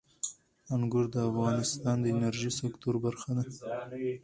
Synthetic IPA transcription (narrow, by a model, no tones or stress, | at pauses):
aŋɡʊɾd̪əafɣɑnɪst̪ɑnd̪əɪnaɾʒisɪkt̪uɾbaɾxad̪a